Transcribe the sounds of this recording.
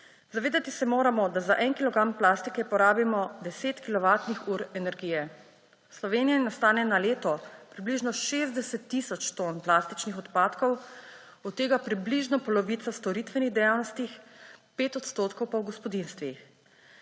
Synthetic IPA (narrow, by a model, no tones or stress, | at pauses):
zaʋeːd̪at̪isɛmoːɾamɔd̪azaʔɛnkilɔɡɾamplaːst̪ikɛpɔɾaːbimɔd̪ɛseːt̪kilɔʋaːt̪nixuːɾɛnɛɾɡiːjɛ | slɔʋeːnijanast̪aːnɛnaleːt̪ɔpɾibliʒnɔʃeːzd̪ɛsɛt̪ːisɔt͡ʃt̪onplast̪it͡ʃnixɔt̪paːt̪kɔw | ɔt̪ːeːɡapɾibliʒnɔpɔlɔʋiːt̪sast̪ɔɾit̪ʋɛniɣd̪ɛjaːwnɔst̪ixpeːt̪ɔt̪st̪oːt̪kɔwpɔwɡɔspɔd̪inst̪ʋix